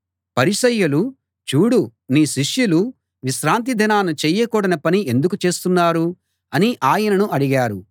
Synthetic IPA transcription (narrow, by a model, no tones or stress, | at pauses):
pɐɾiʃɐjːulu | t͡ʃuːɽuniːʃiʂjulu | ʋiʃɾaːnt̪̬id̪ʱɐnaːnɐt͡ʃɛːjːɐkuːɽɐnɐpɐniʔe̞nd̪ukut͡ʃe̞ːst̪unːaːɾu | ɐniʔaːjɐnɐnuʔɐɽiɡaːɾu